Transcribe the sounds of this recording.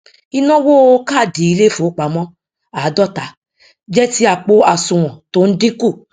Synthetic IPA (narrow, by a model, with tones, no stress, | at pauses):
i˧nɔ̃˦wo˦ka˦˨di˨˦i˧le˦fo˨˦k͡pa˨mɔ̃˦ | a˨˦dɔ˦˨ta˨˦ | d͡ʒɛ˦ti˦a˨k͡po˧a˨sũ˨w̃ɔ̃˨to˦n̩˦dĩ˦ku˦˨